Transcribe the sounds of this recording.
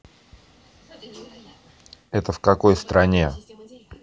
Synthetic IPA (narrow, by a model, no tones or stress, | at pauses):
ɛt̪əfkɐko̞jst̪ɾɐnʲe